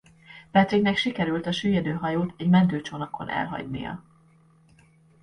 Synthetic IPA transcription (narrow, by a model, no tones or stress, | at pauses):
pɛt̪siɡnɛkʃikɛɾylt̪ɒʃyːjɛd̪øːɦɒjoːt̪ʰɛɟmɛnt̪øːt͡ʃonɒkʰo̞̰nʔɛ̰lɦɒ̰ɟnḭjɒ̰